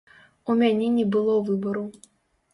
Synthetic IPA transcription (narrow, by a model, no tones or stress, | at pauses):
umʲanʲɛnʲɛbɨlˠɔwvɨbɐɾu